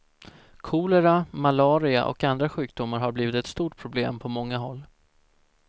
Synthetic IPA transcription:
kʰuːlɛɾamalɑːɾɪa̰ʔɔ̰kand̪ɾaɧʉ̟ːk̚d̪ʊmːaɾɦaɾbliːvɪt̪ɛt̪st̪uːʈpʰɾʊbleːmpʰɔmɔŋːaɦɔlː

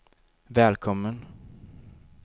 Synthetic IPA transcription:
vɛːlkʰɔmːən

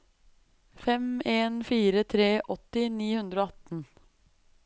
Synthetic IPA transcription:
fɛmeːnfiːɾət̪ʰɾeːʔɔt̪ɪniːhʉnd̪ɾoːɑt̪n̩

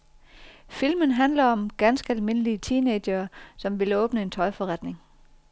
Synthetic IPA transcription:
filmənɦænlɐɒ̽mɡ̥ænsɡ̥əælme̝nəliət͡sʰiːned̥ɐːsɒ̽mʋe̝lɔ̽ːb̥nəe̝nt͡sʰɒ̽ɪfɒ̽ʁad̥ne̝ŋ

